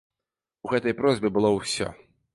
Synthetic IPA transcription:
uɣɛt̪ɐjpɾɔzʲbʲɨbɨlˠɔwsʲɔ̰

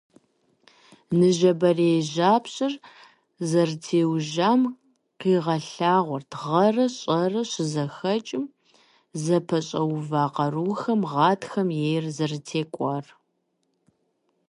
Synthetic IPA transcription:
nɨʒɐbɐreʒaːpɕʼɪr | zɐrtʰeːwʒaːm | qiːʁɐɬaːʁʷɔrtʁɐrɐɕʼɐrɐɕɪzɐxɐt͡ʃʼɪm | zɐpʰɐɕʼɐwvaːqɐruːxɐmʁɑːtʰxɐmjejrzɐrtʰeːkʷʼɔr

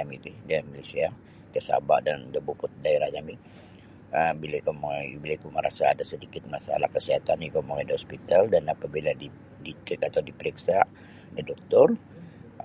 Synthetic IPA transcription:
amit̪udamalasia | kəsa̰ba̰ʔdandəbupʊt̪̚daeɾahɲami | əmbilakumaŋabilakuməɾa̰sa̰ːdasədikɪt̪̚masa̰la̰hkəsiɦat̪anjukomaŋajdihɔspit̪aldanapabiladi | dit̪ɪkat̪awdipəɾiksaʔ | dadɔk̚t̪ɔr

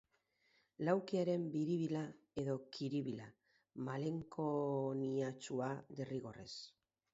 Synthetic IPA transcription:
lawkiaɾe̞mbiɾiβ̞ila | e̞ðo̞kʰiɾiβila | male̞ŋkoniat͡ʃuaðeriɣo̞re̞̰s

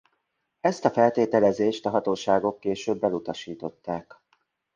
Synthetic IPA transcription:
ɛst̪ɒfɛlt̪eːt̪ɛlɛzeːʃt̪ɒɦɒt̪oːʃaːɡo̞kːeːʃøːbːɛlut̪ɒʃiːt̪o̞t̪ːaːk

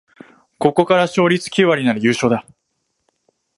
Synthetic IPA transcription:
ko̞ko̞kaɾaɕo̞ːɾʲit͡sɨ̥kʲiβaɾʲinaɾɯjɯ̟ːɕo̞ːd̪a

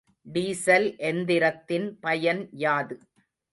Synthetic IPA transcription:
ɖiːsɐlʔɛnd̪ɪɾɐt̪ːɪnpɐjɐnjaːðɯ

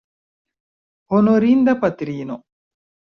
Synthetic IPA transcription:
honoɾind̪ɐpɐt̪iɾiːno

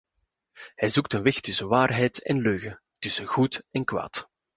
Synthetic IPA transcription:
hɛjzuk̚tənʋɪxtʏsəʋaːrɦɛjtɛ̰nløːɣə | tʏsəɣutɛnkʋa̰ːt

